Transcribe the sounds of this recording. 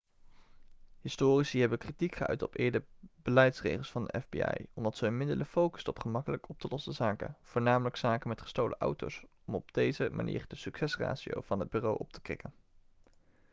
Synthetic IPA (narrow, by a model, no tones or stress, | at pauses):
ɦɪstoːrisiɦɛbəkritikχəœ̰ɥtɔpɪːɹdəbəlɛjtsrḛjχəlˠsfɑndəʔɛvbḭɑ̰jɔmdɑtsənmɪdələfowkə̥stɔpχəmɑkələkɔp̚tʰəlɔsəzaːkə̰v̥ʊːɹnaːmələksaːkənmɛtχə̥stowlʔə̰ʔʌwto̰wsɔmɔb̚d̥ejzəmʔa̰nʔḭːrdəsyksɛsra̰ːsio̰wv̥ɑnɦəd̚byːrowʔɔp̚tʰə̥krɪ̰kən